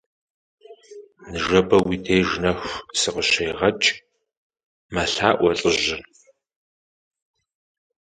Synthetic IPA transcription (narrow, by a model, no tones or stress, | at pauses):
nɨʒɐbɐwiːtʰeːjʒnɐxʷsɨqəɕejʁɐt͡ʃʼ | mɐɬa̰ːʔʷɔɬʼəʒɪ